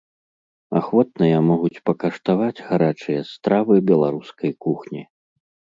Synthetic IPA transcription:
axvɔt̪̚nɨjɐmɔɣut͡sʲpɐkɐʂt̪avad͡zʲɣaɾat͡ʂɨjɐst̪ɾavɨbʲɛlˠaɾuskɐjkuxnʲi

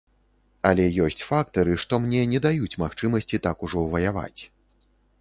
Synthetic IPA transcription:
ɐlʲɛjɔsʲt͡sʲfak̚t̪ɐɾɨʂt̪ɔmnʲɛnʲɛd̪ajut͡sʲmaxt͡ʂɨmɐsʲt͡sʲit̪akuʐɔwvɐjava̰t͡sʲ

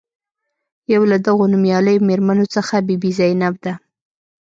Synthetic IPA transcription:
jawlad̪aɣonumjɑləjomeɾmanot͡səxabibizajnab̚d̪a

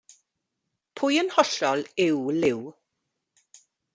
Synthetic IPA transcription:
pʰʊjənhɔɬɔlɪwlɪw

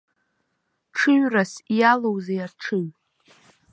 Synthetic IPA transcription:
ʈ͡ʂʰɨɥrasjalowzejaʈ͡ʂʰɨɥ

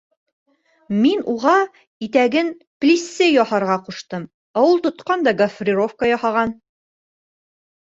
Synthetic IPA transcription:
minuʁɑ | it̪æɡɘn | plʲisːɘjɒhɑɾʁɑquʃt̪ɤm | ɑwulˠt̪ŏt̪qɑnd̪ɑɡɐfrʲiɾofkəjɒhɑʁɑn

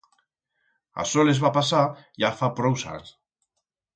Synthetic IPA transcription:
a̰sɔlezβapasajafapɾɔwsa̰ɲs

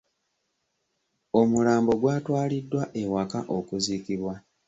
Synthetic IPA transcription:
o̞mulaːmbo̞ɡwaːtwaːlidːwaʔewakaʔo̞kuziːkiβwa

